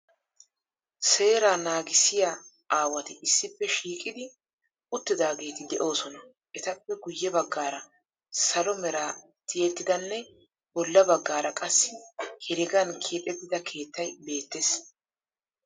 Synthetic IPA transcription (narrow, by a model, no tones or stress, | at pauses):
se̞ːɾaːnaːɡɪsɪja | aːwɐt̪ɪɪsːɪpːɛʃiːkʼɪd̪ɪ | ʊt̪ːɪd̪aːɡe̞ːt̪ɪd̪ɛʔo̞ːsɔnɐ | ʔɛt̪ɐpːɛɡʊjːɛbɐɡːaːɾɐ | sɐlɔmɛɾaː | t̪ɪjɛt̪ːɪd̪ɐnːɛ | bɔlːɐbɐɡːaːɾɐkʼɐsːɪhɛɾɪɡɐnkʰeːpʼɛt̪ːɪd̪ɐkʰe̞ːt̪ːɐjbe̞ːt̪ːes